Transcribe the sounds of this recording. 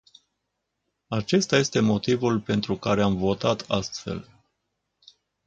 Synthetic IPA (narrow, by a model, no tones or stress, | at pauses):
at͡ʃe̞st̪aje̞st̪e̞mo̞t̪ivulpe̞nt̪ɾukaɾe̞amvo̞t̪at̪ʰast̪fe̞̰l